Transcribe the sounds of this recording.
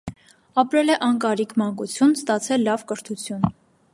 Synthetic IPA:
ɑpɾɛlɛʔɑnkɑɾikʰmɑŋkut͡sʰjunst̪ɑt͡sʰɛlːɑvkəɾt̪ʰut͡sʰjun

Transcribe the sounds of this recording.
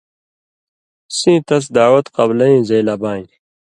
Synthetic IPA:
sĩːt̪ɐs̬d̪aːwɐt̪qɐblɐĩːzeːlabãːjĩ

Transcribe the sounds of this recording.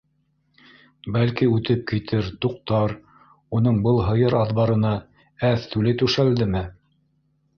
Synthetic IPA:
bælkiʉt̪ɘp̚kit̪ʰɘɾt̪uq̚t̪ɑɾ | un̪ɤɴbɤlˠɦɤ̆jɤɾɑðβɑɾɤ̆nɑ | æθt̪ʉlɘt̪ʉʃæld̪ɘmɘ

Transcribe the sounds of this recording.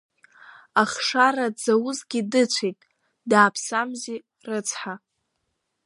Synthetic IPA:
aχʂarad͡zawʊzɡʲidɨt͡sʷʰejtʼ | daːpʰsamzi | rɨt͡sʰħa

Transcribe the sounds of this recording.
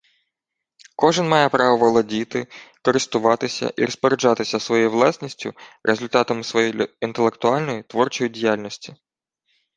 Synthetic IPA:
kɔʒɪnmɑjɛpɾɑʋɔʋɐlˠɐdʲit̪ɪkɔɾɪst̪ʊʋɑt̪ɪsʲɐ̰ʔḭɾɔspɔɾed͡ʒɑt̪ɪsʲɐsʋɔjɛjʋlˠɑsʲnʲisʲtʲʊ̰ɾʔezʊlʲt̪ɑt̪ɐmɪsʋɔjejʲint̪elˠe̞kt̪ʊɑlʲnɔjit̪ʋɔrt͡ʃɔjidʲijalʲnɔsʲtʲi̥

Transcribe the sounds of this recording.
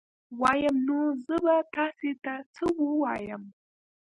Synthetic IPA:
wajɐmnuzɨbatʰasetat͡sʰɨwuwajam

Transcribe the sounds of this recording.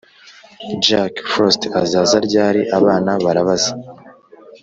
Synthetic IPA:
d͡ʒakfostazaːzaɾɟaːɾiʔaβaːnaβaɾaβazḁ

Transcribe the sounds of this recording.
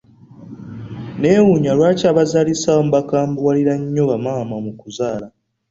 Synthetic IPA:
ne̞ːwuɲalwaːcaːβazalisaomubakaːmbuwaliɾaɲːo̞βamaːmamukuzaːla

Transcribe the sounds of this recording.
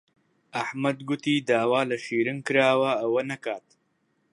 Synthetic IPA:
ɐħmɐd̪ɡʊt̪iːd̪aːwaːlɐʃiːɾɨnkɨɾaːwɐɐwɐnɐkaːt̪̚

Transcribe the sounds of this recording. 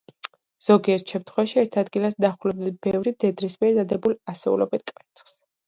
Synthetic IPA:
z̥ɔɡiɛɾt̪ʰʃɛmt̪ʰχwɛvaʃiɛɾt̪ʰad̪ɡilasd̪aχulɛb̚d̪abɛvɾid̪ɛd̪ɾismiɛd̪ad̪ɛbulasɛṵlɔ̰bit̪̚ʰkʼɛt̪sʰχs

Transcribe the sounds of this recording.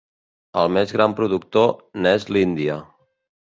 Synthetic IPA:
əlˠmezɣɾampɾuðuk̚t̪onɛzlind̪iə

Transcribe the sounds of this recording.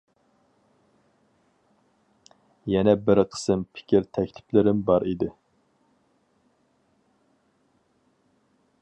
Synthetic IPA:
jɛnɛbɪɾqʰə̥sɨmpʰɪ̥kʲʰiɾt̪ʰɛkʲlɪplɪɾɪmbɑɾid̪ɪ

